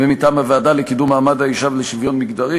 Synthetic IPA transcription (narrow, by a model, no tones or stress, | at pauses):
vemitaːmhaveadalekidumaːmad̪haiʃavleʃivjonmiɡd̪aʁi